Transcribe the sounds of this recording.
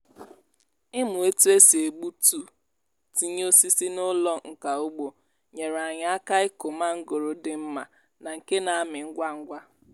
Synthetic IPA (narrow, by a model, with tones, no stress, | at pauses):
ɪ˦mʊ˨e˦tu˦e˦si˨e˨ɡ͡bu˦tu˦˨ | ti˦ɲ˦o˦si˦si˦nʊ˦lɔ˦ŋ̩˨ka˨u˦ɡ͡bo˨ | ɲe˨ɾa˨ɲa˨˦a˦ka˦ɪ˦ko˨ma˦ŋ̩˦ɡo˨ɾo˨dɪ˨m̩˦ma˨ | na˨ŋ̩˨ke˦na˨a˦mɪ˨ŋ̩˦ɡʷa˦ŋ̩˦ɡʷa˦